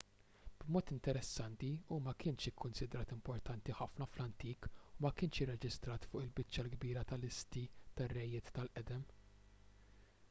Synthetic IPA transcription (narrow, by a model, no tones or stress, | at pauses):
b̥mɔːt̪ɪnt̪ɛɾɛsːɐnt̪iumɐkɪːnʃɪkʰːʊnsɪd̪ɾɐːt̪ɪmpɔɾt̪ɐnt̪iħɐfnɐflɐnt̪iːkumɐkɪːnʃɪrːɛd͡ʒɪst̪ɾɐːt̪fʊːʔɪlbɪt͡ʃːɐlɡbiːɾɐt̪ɐlɪst̪it̪ɐrːɛjːɪːt̪ːɐlʔɛd̪ɛm